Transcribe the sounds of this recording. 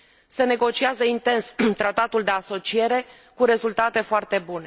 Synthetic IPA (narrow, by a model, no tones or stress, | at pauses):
se̞ne̞ɡo̞t͡ʃiazəint̪e̞nst̪ɾat̪at̪uld̪e̞aso̞t͡ʃie̞ɾe̞ | kuɾe̞zult̪at̪e̞foart̪e̞bune̞